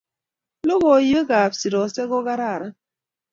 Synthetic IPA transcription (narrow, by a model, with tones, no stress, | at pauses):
lo˦ɣɔ˨jə˦ɡa˨psi˨ɾɔ˨sɛ˦ɡo˦ɣa˦ɾa˦˨ɾa˦